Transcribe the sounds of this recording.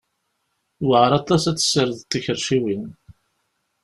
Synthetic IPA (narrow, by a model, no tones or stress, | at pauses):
wəʁɾɑt̪ˤɑsæt͡sːsəɾəðt̪ːiçəɾʃiwin